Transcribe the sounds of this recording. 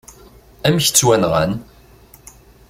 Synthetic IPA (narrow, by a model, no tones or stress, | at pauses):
æmçə̥t͡sːwænʁə̰n